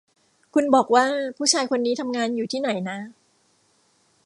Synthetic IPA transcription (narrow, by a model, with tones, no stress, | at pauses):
kʰu˧nbɔː˨˩k̚waː˥˩pʰuː˥˩t͡ɕʰaː˧jkʰo˧nːiː˦˥t̪ʰa˧mŋaː˧njuː˨˩iː˥˩na˩˦jna˦˥